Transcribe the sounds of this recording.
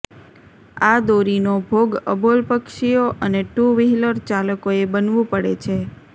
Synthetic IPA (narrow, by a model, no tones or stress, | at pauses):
ad̪oɾinobʱoɡə̰bolpəkʃijoʔəneʈuʋiɦiləɾt͡ʃaləkoebənʋũpəɽḛt͡ʃʰe